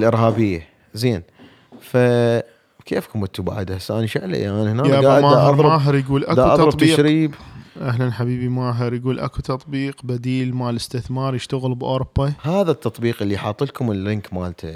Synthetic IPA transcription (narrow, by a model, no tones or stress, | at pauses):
lʔɪɾɦaːbɪjːa | zeːn | fa | kʰeːfkʊmɪt̪ːuba̰ʕd̪asaːniʃɪʕla̰jʔaːnhnaːjaaamaaɑɾɾmaːɦəɾjɡuːlʔad̪uʔɑðˤɑɾɑˤbt̪ːiːʃɾiːbʔaɦlanħabiːbimaːɦɪɾjɡuːlʔa̰kut̪ɑt̪ˤbiːqbad̪iːlmaʕlɪst̪ɪθmɑːɾˤjɪʃt̪aɣəlbʔoːɾʊb̥ːahaːðat̪ːɑt̪ˤbiːqʔɪlːiħɑːt̪ˤːɨlkʊməlɾɪnkmaːlt̪ʰa